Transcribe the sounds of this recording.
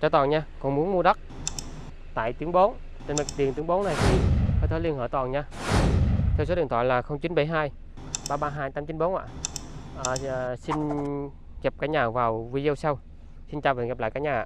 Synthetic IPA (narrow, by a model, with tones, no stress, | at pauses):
t͡ɕaː˧˩t̪ɔː˨˩nɲaː˧kɔ˨˩nmu˨˦ənmu˧ɗa˦˥t̚ | t̪a̰ː˧˨jt̪ɨ˨˦əŋɓo˨˦n | t͡ɕə˧nmə˨˩t̪i˨˩ənt̪əŋɓo˨˦na˨˩jt̪ʰi˨˩xəː˧˩t̪ʰɔː˨˦li˧ənhə̰ː˧˩t̪ɔ˨˩nɲaː˧ | t̪ʰwso˨˦ɗɨ˨˩ŋt̪ʰaː˧˨˩jlaː˨˩xə˧wŋ͡mt͡ɕi˨˦nɓə˧˩jɦaː˧j | ɓaː˧ɓaː˧ɦaː˧jt̪aː˨˧˦mt͡ɕi˨˦nɓo˨˦nʔa̰ː˧˨ʔʔaː˨˩˨si˧n | ɣɛ˨˩p̚kaː˧˥ɲaː˨˩vaː˨˩wvi˧zə˧wsa˧w | si˧nt͡ɕaː˧˩vəː˨˩ŋɣɛ˨˩p̚la̰ː˧˨kaː˨˦˥jɲaː˨˩ʔa̰ː˧˨